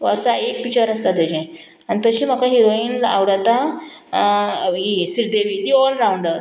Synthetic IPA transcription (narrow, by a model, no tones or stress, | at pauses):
ʋəɾsaek̚pit͡ɕaɾəst̪at̪əd͡ʑɛ̃ | añit̪əɕiːm̤əkaɦiɾoiːna̰ʋɽat̪a | ɦisiɾd̪eʋiːt̪iɔlɾawuɳɖəɾ